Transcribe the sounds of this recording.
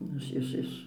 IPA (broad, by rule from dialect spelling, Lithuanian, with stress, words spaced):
ˈnʊ ɪʃ ɪʃ ˈɪʃ